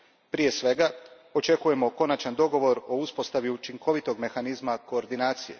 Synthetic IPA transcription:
pɾije̞sʋe̞ɡa | o̞t͡ʃe̞kuje̞mo̞ko̞nat͡ʃand̪o̞ɡo̞ʋo̞ɾo̞uspo̞st̪aʋjut͡ʃiŋko̞ʋit̪o̞ɡme̞xanizmako̞ːɾd̪inaːt̪sije̞̰

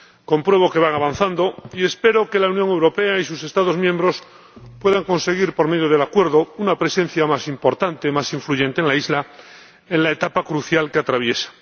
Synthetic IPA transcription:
ko̞mpɾwe̞β̞o̞ke̞β̞aŋaβan̟θand̪o̞ie̞spe̞ɾo̞ke̞launjoŋewɾo̞pe̞aisuse̞st̪að̞ozmjẽmbɾo̞s | pwe̞ðaŋko̞nse̞ɣ̞iɾpo̞ɾme̞ðjoð̞e̞lakwe̞ɾðounapɾe̞sẽ̞n̟θjamasimpo̞ɾt̪ant̪emasiɱfluʝe̞nt̪enlaizla | enlaet̪apakɾuθjalkeat̪ɾaβ̞je̞sḁ

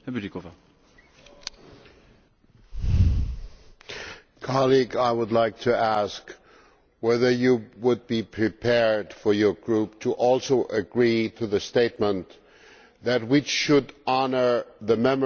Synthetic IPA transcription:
hɛbdikova | kʰɑlˠiɡaɪwədˡlaɪk̚tʰɨæsk | wɛðə˞jɨwʊd̚bipʰɹ̥ipʰɛɹd̥fə˞jə˞ɡɹup̚tʰəʔɔlˠsoʊʔɨɡɹiɾɨðɨsteɪt̚mə̃n | ðɨt̚wit͡ʃʃɨdɑnə˞ðɨmɛm

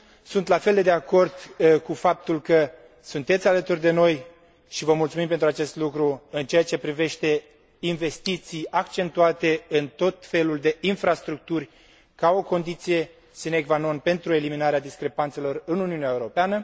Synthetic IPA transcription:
sunt̪lafeld̪e̞d̪eako̞rd̪kufap̚t̪ulkə | sunt̪e̞t̪sʲalət̪urʲd̪e̞no̞j | ʃivəmult̪sumimpe̞nt̪ɾuat͡ʃe̞st̪lukɾuɨnt͡ʃe̞at͡ʃe̞pɾive̞ʃt̪e̞ | inve̞st̪it̪sijakt͡ʃe̞nt̪uat̪e̞ɨnt̪o̞t̪fe̞luld̪e̞ʔinfɾast̪ɾuk̚t̪urʲ | kao̞ko̞nd̪it̪sije̞ | sineɡvano̞npe̞nt̪ɾue̞liminaɾead̪iskɾe̞pant̪se̞lo̞rɨnuniuneaeuɾo̞peanə

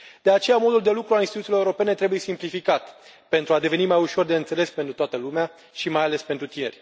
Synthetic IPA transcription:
d̪eat͡ʃe̞jamo̞d̪uld̪e̞lukɾualinst̪it̪uilo̞ewuɾo̞pe̞ne̞t̪ɾe̞buje̞simplifikat̪ | pe̞nt̪ɾuad̪e̞ve̞nimajuʃo̞rd̪e̞ɨnt̪se̞le̞spe̞nt̪ɾut̪oat̪əlumea | ʃimajale̞spe̞nt̪ɾut̪ine̞̰rʲ

